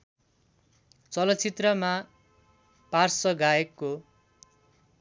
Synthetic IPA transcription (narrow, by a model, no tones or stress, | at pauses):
t͡sʌlʌt̪t͡sit̪rʌma | parsʌɡaekːo